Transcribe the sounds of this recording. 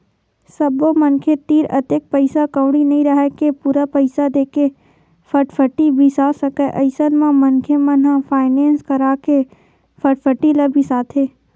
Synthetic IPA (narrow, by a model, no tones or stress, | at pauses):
səbomɐnkʰet̪iːɾət̪ek̚pəɪsakəwɽinɐɦĩɾɐɦɛkepuːɾapəɪsad̪eːke | fʰəʈfʰəʈibʱisaːsəkeʔɐɪsənmãmɐnkʰemə̃nɦãfʰaːɪnẽːnskɐɾaːke | fʰəʈfʰəʈilɐbʱisaːt̪ʰeː